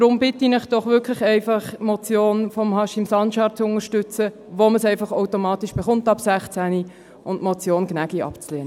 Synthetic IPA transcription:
d̥ɾʊmb̥ɪtinɪχd̥ɔχʋʏkʰlɪχɛɪfɑχmɔt͡sjoːnfɔmhɑʃɪmsɑnʃɑːt͡sʊŋəʃtʏt͡sə | ʋoməsɛɪfɑχoʊtomɑːtiʃb̥eχʊntɑpsæχt͡sæni | ʊndmot͡sjoːnɡnæɡiɑ̰pt͡sleːnə

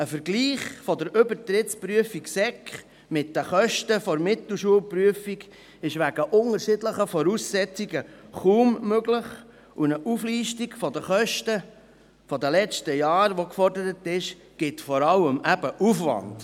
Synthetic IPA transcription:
əfəɾɡliːχfɔd̪əɾʏbəɾt̪ɾɪtspɾyəfiksɛkχ | mɪt̚dəχœʃtəfɔɾmɪt̪l̩ʃuəlpɾyəfiɡ | ɪʃʋæɡ̥əʔʊŋəɾʃɪdləχəfɔɾusːɛt͡siɡəχuːmmøɡləχ | unəʔufliːʃtiɡfɔdəχœʃtə | fɔd̪əlɛt͡stəjɑːɾʋokfɔrdəɾətɪʃ | ɡ̥ɪtfɔɾɑləmæbəʔufʋɑ̰nd̥

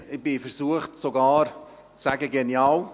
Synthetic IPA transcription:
ɪbɪfəɾsuəχtsoɡɑːɾ | t͡ssæɡəɡenjaːw

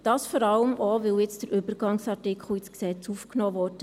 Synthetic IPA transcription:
d̥ɑːsfɔɾɑləmɔʋɪwjɪt͡sd̥əɾʔʏbəɾɡ̥ɑŋsɑɾtɪkχl̩ˠɪsksɛt͡sufknɔːʋɔːɾd̥ə

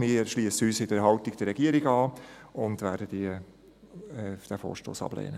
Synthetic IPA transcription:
mɪʃliəsəyːsɪdəɾɦɑltiɡ̚d̥əɾɛɡiəɾiɡɑːʊndʋæːɾdədiə | ɛd̥æːfo̰ːɾʃto̰ːsɑ̰b̥lɛ̰ːnə

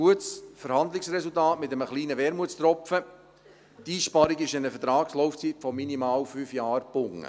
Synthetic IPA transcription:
uət͡sfəɾhɑnd̪lɪksɾɛsultɑːtmɪt̪əməχliːnəʋɛɾmuət͡st̪ɾɔpfə | tiːʃpɑɾiɡɪʃɪnəfətɾɑːkslɔʊft͡siːtfɔminimɑːwfyːfjɑːɾbʊŋːə̰

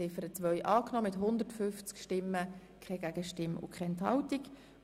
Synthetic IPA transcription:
ɪfəɾət͡sʋœʏʔɑːknɔːmɪtɦʊnd̪ərtfʏft͡skʃtɪməkʰɛɡæɡ̥əʃtɪmʊ̰kʰχɛɛnthɑ̰wtik

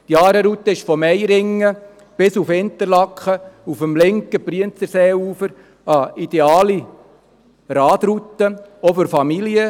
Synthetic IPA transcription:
d̥jɑːɾəɾut̪ːəɪʃfɔmɛɪɾɪŋːə | b̥ɪsufɪnt̪əɾlɑkχəufəmlɪŋkəpriənt͡səɾseːuːfəɾ | ɑid̥̪eɑːli | ɾɑːd̪ɾut̪ːəofɔɾfɑmiljə

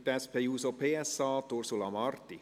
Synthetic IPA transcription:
t̪ɛspʰejuːsopʰeːɛsɑːt̪uɾsulɑmɑrt̪ːi

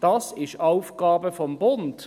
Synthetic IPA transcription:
d̥ɑsɪʃaʊfɡ̥ɑːbəfɔmbʊnt

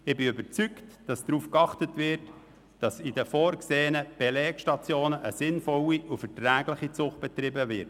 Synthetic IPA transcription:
ɪbɪʏbət͡syktd̥ɑsd̥ɾuːfkɑχtətvɪɾt | d̥ɑsidəfoːɾkseːənəb̥ɛlɛːkʃtɑt͡sjoːnəʔəsɪnfɔliʔufətræːɡlɪχit͡sʊχt̚b̥ɛt̪rɪbəvɪɾt

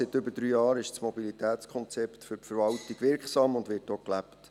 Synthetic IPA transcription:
sɪtʏbəd̥ɾyːjɑːɾɪʃt͡smɔbilitæːt͡skʰɔnt͡sɛptfʏɾpfəɾvɑltiɡʋɪɾksɑːmʊndʋɪtːoːklæpt

